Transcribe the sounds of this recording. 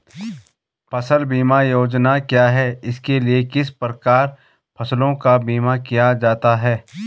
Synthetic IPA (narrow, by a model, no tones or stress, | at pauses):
pʰɐsəlbiːmajoːd͡ʒnakjaːɦɛːɪskeliekɪspɾəkaːɾ | pʰɐslõkabiːmakijad͡ʒaːt̪aɦɛː